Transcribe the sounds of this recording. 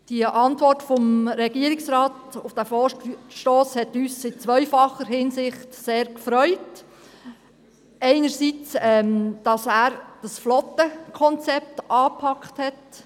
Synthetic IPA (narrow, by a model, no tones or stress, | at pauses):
d̥iəʔɑntvɔrtfɔmɾɛɡ̥iəɾɪksɾaːtʊfd̥æfɔːʃtoːshɛtyːsɪt͡sʋœʏfɑχəɾhɪnsɪχtseːɾkfɾœʏt | ɛɪnəɾsit͡sɛmd̥ɑsæːɾd̥ɑsflɔtːəkʰɔnt͡sɛp̚tɑːpʰɑkχthɛt